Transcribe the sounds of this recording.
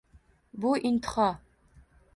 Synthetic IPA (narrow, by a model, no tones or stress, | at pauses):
buʔint̪ʰχɑ